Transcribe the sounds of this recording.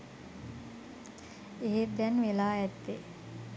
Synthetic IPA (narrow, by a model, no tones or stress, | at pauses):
eɦed̪ænʋelaːɛt̪ːe